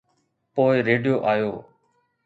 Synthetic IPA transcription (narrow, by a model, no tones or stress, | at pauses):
poːɪɾeːɖijoːʔaːjoː